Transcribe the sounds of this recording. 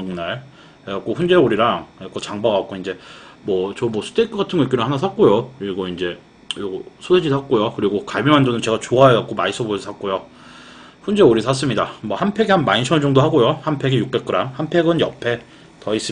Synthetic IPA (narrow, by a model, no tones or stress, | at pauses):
ŋnaɭ | eak͈oɸund͡ʑe̞uɾiɾaŋek͈ot͡ɕaŋbaɡak͈oind͡ʑe̞mwʌt͡ɕomʌsʰɯ̥tʰekʰɯɡatʰɯnŋɡʌik͈iɾɯhanasʰak͈ojokɯɾiɡoind͡ʑe̞ | joɡsʰodʰed͡ʑisʰak̚k͈ojokɯɾiɡokaɭmimɦand͡ʑʌnɯnt͡ɕe̞ɡat͡ɕoajeak͈omais͈ʰʌbosʰak͈̚ojo | ɸund͡ʑeoɾisʰas̬͈ɯmɲidamʌhanpʰe̞ɡeɦanmainsʰʌnd͡ʑʌŋdoɦaɡojohanpʰe̞ɡejuk̚k͈ek͈ɯɾamhanpʰe̞ɡɯnjʌpʰe̞ | tʌis͈ɯ